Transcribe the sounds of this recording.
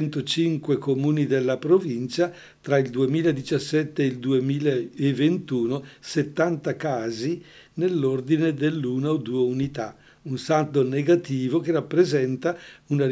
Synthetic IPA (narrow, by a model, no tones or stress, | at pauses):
nt̪ot͡ʃiŋkwekomuːnid̪elːapɾovint͡ʃa | t̪ɾaild̪uemiːlaed̪it͡ʃasːɛt̪ːeːild̪uemiːlaevːent̪uːnoset̪ːant̪akaːzinelːord̪ined̪elːuːnaod̪uːeunit̪a | unsat̪oneɡat̪iːvokerapːɾezɛnt̪auna